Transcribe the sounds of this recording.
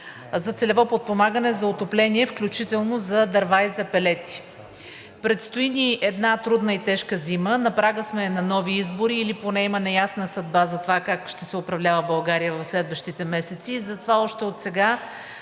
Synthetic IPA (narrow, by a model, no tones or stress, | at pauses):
zɐt̪sɛlɛvɔpot̪̚pomaɡənɛzɐot̪oplɛniɛfklʲut͡ʃit̪ɛlˠnozɐd̪ɐɾvajizɐpɛlɛt̪i̥ | pɾɛt̪st̪oiniʔɛd̪nat̪ɾud̪nəit̪ɛʃkəzimənɐpɾaɡəsmɛnɐnɔviizboɾiːliponɛimɐnɛjasnəsɐd̪̚bazɐt̪ovakakʃt̪ɛsɛʊpɾɐvlʲavəbɐlˠɡaɾijəvɐfslɛd̪vəʃt̪it̪ɛmɛsɛt̪siːzɐt̪ovaɔʃt̪ɛot̪sɛɡa